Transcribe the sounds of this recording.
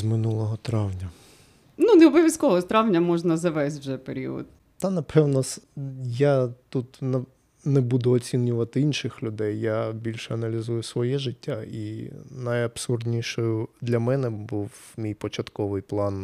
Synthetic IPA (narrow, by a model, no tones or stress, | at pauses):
zmɪnulˠɔɦɔt̪ɾɑwnʲɐ | nuneɛɔbɔʋʲjɐskɔʋɔt̪ɾɑʋnʲɐmɔʐnɐzɐʋɛsʲtʲʐɛpḛɾʲḭɔ̰d̪̚ | t̪ɑnɐpʰɛwnɔsjat̪ut̪nɐ | nɛbud̪ʊɔt͡sʲinʲʊʋɐt̪ɪinʃɪxlʲʊd̪ɛjːabʲilʲʃɛɐnɐlʲizujʊsʋɔjɛʒɪtʲːaḭnɐjɐbsurd̪ʲnʲiʃɔjʊd̪lʲɐmɛnɛbuwmʲijpɔt͡ʃɐt̪kɔʋɪjplˠɑn